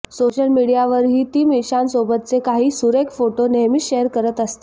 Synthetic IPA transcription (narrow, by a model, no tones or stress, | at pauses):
soɕəlmiɽijaʋəɾɦiːt̪iːmiɕansobət̪̚t͡sekaɦiːsuɾekfoʈoneɦmiːɕeəɾkəɾət̪əst̪e̥